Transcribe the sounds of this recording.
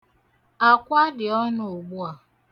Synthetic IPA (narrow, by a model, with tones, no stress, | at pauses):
a˨kʷa˦dɪ˨ɔ˦nʊ˨o˨ɡ͡bu˦a˨